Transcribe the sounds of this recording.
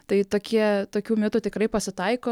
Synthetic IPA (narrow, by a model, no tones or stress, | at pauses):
t̪ɐɪt̪oːkʲiɛt̪oːkʲuːmʲɪt̪ʊt̪ʲɪkrɐɪpɐsʲɪt̪ɐɪkoː